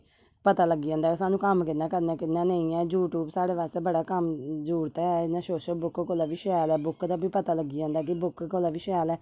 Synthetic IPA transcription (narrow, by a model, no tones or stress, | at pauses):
pət̪aːləɡːiːãːnd̪aːsaːnũːkəmkɪt̪nãːkəɾnaːkɪnãːnəĩːɛːd͡ʒuːʈuːbsaːɽeːʋaːst̪eːbəɽaːkəmd͡ʒuːɾt̪ɛːɛːɪnãːsoːʃəlbʊkkolaːʋiːʃaːlɛːbʊkd̪aːbʱiːpət̪aːləɡiːãːnd̪aːkɪbʊkkolaːʋiʃaːlɛː